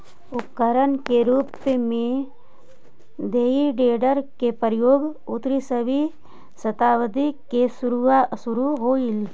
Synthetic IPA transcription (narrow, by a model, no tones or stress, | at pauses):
ʊkəɾənkeɾuːpmẽ | d̪eːiɖeːɖəɾkepəɾjoːɡʊt̪ɾisəbʱi | sət̪aːʋəd̪ikesʊɾsʊɾuɦoːil